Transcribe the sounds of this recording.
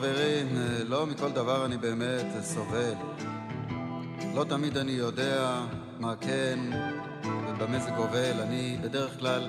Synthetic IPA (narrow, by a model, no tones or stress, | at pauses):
veʁimlo̞miko̞ld̪avaʁanibeːmetso̞ve̞l | lo̞t̪amid̪anijo̞de̞a | maken | vebemezeɡovelanibede̞ʁeχklal